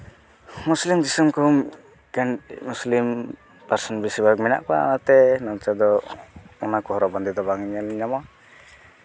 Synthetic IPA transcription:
muslimd͡ʒisumkum | kɛnmuslim | paɾsɔnbisibak̚mɛna̰ʔka̰nat̪ɛnɔnt͡ʃad̪ɔ | ɔnakɔɦɔɾɔbɔnd̪id̪ɔbaŋiɲaliɲama

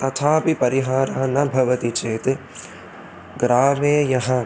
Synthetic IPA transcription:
t̪ɐt̪ʰaːpipɐɾiɦaːɾaːɐ̃nɐbʱɐʋɐt̪it͡ʃeːt̪ | ɡɾaːmeːjɐɦɐ̃

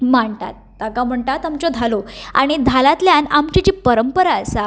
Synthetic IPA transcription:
maɳt̪a̰t̪ːakam̤əɳʈ̪at̪amt͡ɕod̪ʱaloa̰ɽ̃id̪ʱalat̪ljanamt͡ɕit͡ɕipəɾəmpəɾaəsa

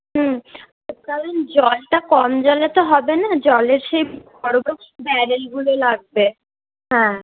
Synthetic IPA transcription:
ɦ̩ | okaɾond͡ʑɔlʈakɔmd͡ʑɔlet̪oɦɔbenad͡ʑɔleɾʃejbɔɾobokbɛɾelɡulolaɡ̚be | ɦɛ̃ː

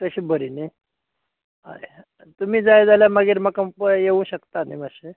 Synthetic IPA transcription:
t̪əɕiːbəɾini | ɦa̰e | t̪umiːd͡zajd͡zaljamaɡiːɾmakəpəjeũɕəkt̪animəɕe

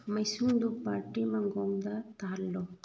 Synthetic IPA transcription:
mɐjsuŋdupaːʈːimɐŋɡoŋd̪at̪aːlːo

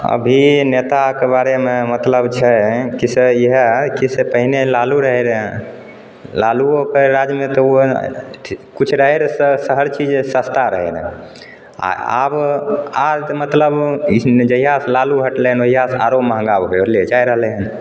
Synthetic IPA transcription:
ə̰bʱinet̪akebaɾememət̪ləbt͡ʃʰɛkiseiɦekisepəɦinelaluɾəɦeɾ | laluokeɾad͡ʒmet̪ɔo | kut͡ʃʰɾəɦeɾsəsəɦəɾt͡ʃid͡ʒsəst̪ʰaɾəɦḛɾ̰ | a̰a̰baɾmət̪ləbd͡ʒəɦijaslaluɦəʈlɛɦənoɦijasaɾoməɦə̃ŋɡabɦoled͡ʒajɾəɦlɛən

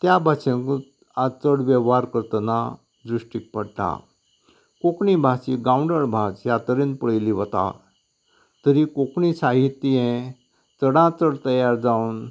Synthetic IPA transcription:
t̪jabʱaɕẽk | at͡səɽʋeʋɦaɾkəɾt̪əna | d͡z̪ɾuʂʈik̚pəɽʈ̪a̰ | kokɳibʱasiɡauɳɖəɽbʱat͡sjat̪əɾẽnpəɭəjliʋət̪a̰ | t̪əɾikokɳisaɦit̪ːijẽ | t͡səɽãt͡səɽt̪əjaɾd͡zaun

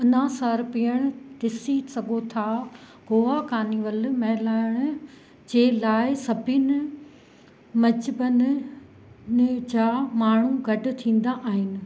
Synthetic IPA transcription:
ʊnãsəɾpijəɽ̃ʊd̪ɪsisɐɡʱot̪ʰa | ɡoːʋakaːniʋəlmɐɦɪlaːɪɽ̃ʊ̆ | d͡ʑeːlaːɪsɐbʱɪnɪ | mɐd͡ʑɪbən | d͡ʑaːmaːɳ̤uɡʱɐɖʊ̆t̪ʰĩːn̆d̪aʔaːɦɪnɪ̆

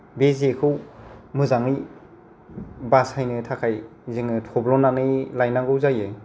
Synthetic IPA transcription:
bezekʰɯwmɯzaŋɯj | bashajnɯtʰakʰajzɯŋɯtʰɔblɔnanɯjlajnaɡɯwzajɯ

